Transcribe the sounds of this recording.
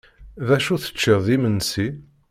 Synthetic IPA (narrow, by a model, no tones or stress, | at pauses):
ðæʃuθə̥t͡ʃːɪððimənːsi